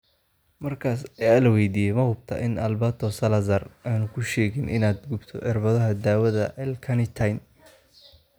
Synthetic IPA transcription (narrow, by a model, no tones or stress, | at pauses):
mɐrkʰaːsɛjalɐwɛjd̪iːjɛmɐhʊb̚t̪ʰɐ̰ʔɪnɐlbaːt̪ʰɔsɐlɐzɐraːnʊkʰʊʃɛːɣɪnʔɪ̰naːd̪ɡʊbt̪ʰɔ̰ʕɪrbɐðɐɦɐd̪aːwɐðɐʔɛlkʰɐnɪt̪ʰɐjn